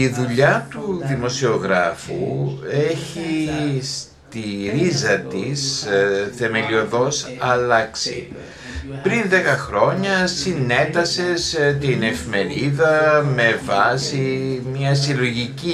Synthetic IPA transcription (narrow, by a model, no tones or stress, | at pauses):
iðuʎɐt̪uðimo̞sio̞ɣɾɐfṵe̞çis | t̪iɾizɐt̪isθe̞me̞lio̞ðo̞sɐlɐksḭ | pɾinðe̞kɐxɾo̞ɲɐsine̞t̪ɐse̞st̪ine̞fime̞ɾiðɐme̞vɐsimɲɐsilo̞ʝici